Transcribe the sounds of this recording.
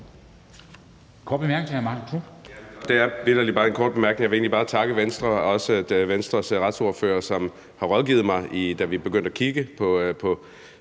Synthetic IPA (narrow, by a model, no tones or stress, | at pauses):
kʰɔ̥ːb̥emæɐɡ̥neŋɐmɑt͡sʰud̥e̝æɐʋedɐlibɑ̈ːe̝nkʰɒ̰ːd̚b̥e̝mæɐɡ̥ne̝ŋjɑʋe̝ːnlib̥ɑ̈ːt͡sʰɑ̈ɡ̥əʋensd̥ʁɐɒ̽sə̥ʋensd̥ʁɐsʁɑ̈d̥so̝ɐfø̰ːɐsɒ̽m | hɑ̈ʁɒðˠɡ̥ḭːð̞̩ˠmɑ̈ɪʔid̥æʋib̥e̝ɡ̥øn̰d̥ækʰiɡ̥əpʰɒ̽pʰɒ̽